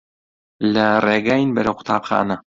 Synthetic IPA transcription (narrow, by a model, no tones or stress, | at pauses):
lɐreːɡaːjinbɐɾɐwqʰʊ̥t̪ʰa̰ːpxa̰ːnɐ